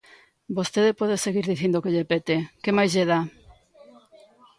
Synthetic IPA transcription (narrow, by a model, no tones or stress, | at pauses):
bost̪eðepɔðeseɣiɾðiθind̪okeʎepet̪ekemajzʎeða